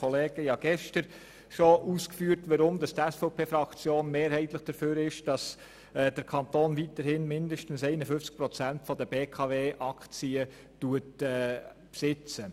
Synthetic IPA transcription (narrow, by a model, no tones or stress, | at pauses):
ɔleːɡ̥əjɑːɡ̥ɛʃtəɾ | ʃoʔuːskfyːəɾtʋɑɾʊmd̥ɑst̪ɛsfɔʊpʰeːfɾɑkt͡sjoːnmeːɾhɛɪtləχd̥əɾføːɾɪʃd̥ɑs | d̥əɾkʰɑntoːnvitəɾhɪnmɪndəʃtən̩sɛɪnəfʏft͡sk̚pɾɔt͡sæntfɔdəb̥eːkʰɑveːʔɑkʰt͡siə | tuətɛː | psɪt͡sə